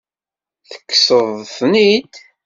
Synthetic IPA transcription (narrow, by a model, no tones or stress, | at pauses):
θə̥kːsəðˤθnid̪